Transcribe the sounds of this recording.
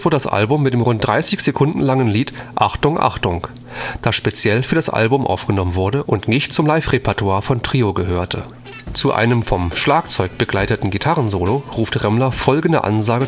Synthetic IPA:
v̥oɐdədasʔa̰lbʊmːɪtd̥eːmʁʊnt̚d̥ʁaɪsɪçz̥ekʰʊndn̩laŋənliːtʔa̰χtʊŋʔa̰χtʊŋ | d̥aːʃpet͡sjɛlfyːɐdasʔa̰lbʊmʔa̰ʊfɡ̥ənɔmənvʊɐdəʔʊntnɪçtt͡sʊmlaɪfʁepʰatuaːɐfɔntʁ̥iːoɡəɦøːɐtʰə̰ | t͡suʔa̰ɪnəmfɔmʃlaːkt͡sɔʏk̚b̥əɡlaɪtətn̩ɡitʰaʁənzoːloʁuːftʁɛmlɐfɔlɡn̩də̰ʔa̰nzaːɡə

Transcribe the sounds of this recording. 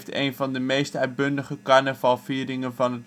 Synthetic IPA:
tḛjnvɑndəmejstœɥt̚bɵndəχəkɑɹnəvɑlˠfiːɾɪŋənvɑnɦət

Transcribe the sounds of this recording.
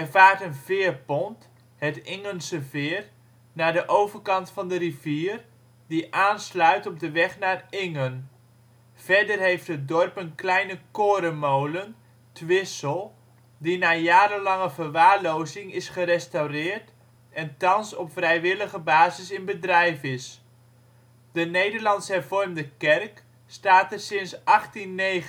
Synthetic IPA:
ɛvaːɹtənvɪːrpɔnt | ɦətɪŋənsəvɪːr | naːdəʔowvərkɑntfɑndəɾiviːr | diʔaːnslœɥtɔb̚dəʋɛχnaːrɪŋən | v̥ɛɹdərɦejftɦət̚dɔrpənklɛjnəkoːɾəmowlən | tʋɪsəlˠ | dinaːjaːɾəlɑŋəvərʋaːɹlowzɪŋɪsχərɛstawrɪːrt | ɛntɑnsɔpfrɛjʋɪləχəbaːzɪsɪnbədrɛjfɪs | d̥ənejdəɹlɑnsɦɛrvɔrmdəkɛrk | staːtərsɪnsʔɑχtinːej

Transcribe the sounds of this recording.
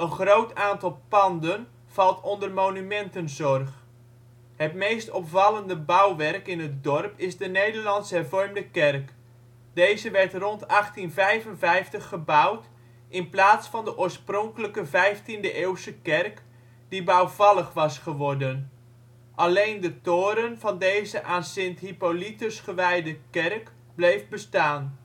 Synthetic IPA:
ənχrowtaːntɑlˠpɑndən | v̥ɑlˠtʰɔndərmownymɛntənzɔrχ | hətmejstɔpvɑləndəbawʋɛrkɪnɦət̚dɔrpɪzdənejdərlɑnsɦɛrvɔrmdəkɛrk | d̥ejzəʋɛrtrɔntɑχtinvɛjvənvɛjftəχːəbawt | ʔɪnplaːtsfɑndəʔʊːɹsprɔŋkələkəvɛjftindəʔeːwsəkɛrk | d̥ibawvɑləχʋɑsχəʋɔrdən | ʔalejndətoːɾənv̥ɑndejzəʔaːnsɪnthipolitəsχəʋɛjdəkɛrk | blejfbəstaːn

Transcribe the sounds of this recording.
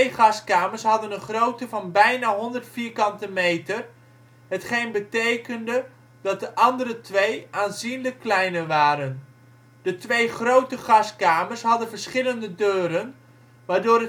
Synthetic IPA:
χɑskaːməɹsɦɑdənənχrowtəvɑnbɛjnaːɦɔndəɹtfiːɹkɑntəmejtər | ɦətχejnbətejkəndə | dɑt̚dəʔɑndəɾətʋejaːnzinləkːlɛjnəʋaːɾən | d̥ətʋejχrowtəχɑskaːməɹsɦɑdənvəɹsχɪləndədøːɾən | ʋaːɹdʊːɾə

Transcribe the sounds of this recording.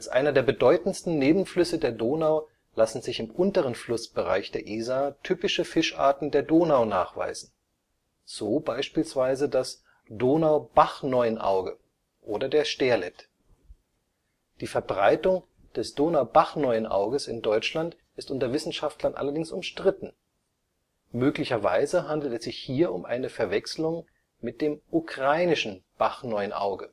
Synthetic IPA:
ʔalsʔa̰ɪnɐdeːɐbədɔʏtn̩stn̩neːbm̩flʏsədeːɐdoːnaʊ | lasn̩zɪçɪmʔʊntəʁ̞ənflʊsb̥əʁa̰ɪçd̥eːɐʔiːzatʰyːpɪʃəfɪʃʔa̰ːɐtn̩deːɐdoːnaʊnaːχv̥a̰ɪzn̩ | z̥oːbaɪʃpiːlsv̥aɪzədas | d̥oːnaʊb̥aχnɔʏənʔa̰ʊɡə | ʔoːdɐdeːɐʃteːɐlɛt | d̥iːfɛɐbʁaɪtʊŋ | d̥ɛsd̥oːnaʊbaχnɔʏənʔa̰ʊɡəsɪndɔʏt͡ʃlant | ʔɪstʔʊntɐvɪsn̩ʃaftlɐnʔa̰lɐdɪŋsʊmʃtʁ̥ɪtn̩ | møːklɪçɐva̰ɪzəɦandl̩tɛsz̥ɪçhiːɐʊmʔa̰ɪnəfɛɐvɛkslʊŋ | mɪt̚d̥eːmʔukʁ̥aɪnɪʃn̩b̥aχnɔʏənʔa̰ʊɡə

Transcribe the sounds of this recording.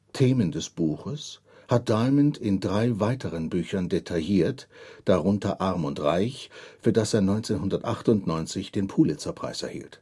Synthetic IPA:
tʰeːməndɛsb̥uːxəs | hat̚d̥aɪməntʰɪndʁaɪvaɪtʰəʁənbyːçɐndetʰajiːɐtd̥aʁʊntʰɐʔaʁmʊntʁaɪçfyːɐdaseːɐnɔʏnt͡seːnɦʊndɐtʔaχtʊntnɔʏnt͡sɪçd̥eːnpʰuːlɪt͡sɐpʁ̥a̰ɪsɛɐhḭːlt

